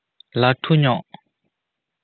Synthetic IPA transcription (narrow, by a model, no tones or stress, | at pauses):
lat̪ʰuɲɔʔ